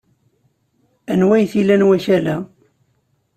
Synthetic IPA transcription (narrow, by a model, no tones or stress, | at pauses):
ænwæjθilænwæʃælæ